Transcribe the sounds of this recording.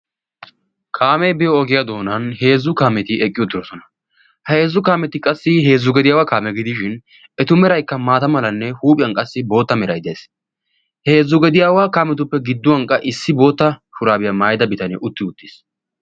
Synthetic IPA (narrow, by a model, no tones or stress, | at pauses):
kʰaːmɛjbɪjɔɔɡɪjad̪o̞ːnɐnhe̞ːzːʊkaːmɛt̪ɪɛkʼːɪjɔt̪ːɪɾɔsɔnɐ̥ | heːzːʊkaːmɛt̪ɪkʼɐsːɪɦe̞ːzːʊɡɛd̪ɪjaːwaːkaːmɛɡɪd̪ɪʃɪn | ɛt̪ʊmɛɾɐjkːɐmaːt̪ɐmɐlɐnːɛhuːpʼɪjɐŋkʼɐsːɪbo̞ːt̪ːɐmɛɾɐjd̪ɪjes | he̞ːzːʊɡɛd̪ɪjaːwaːkaːmɛt̪̬ʊpːɛɡɪd̪ːʊwɐŋkʼːɐʔɪsːɪbo̞ːt̪ːɐʃʊɾaːbɪjɐmaːjd̪ɐbɪt̪ɐnɛʔʊt̪ːɪʊt̪ːi̥s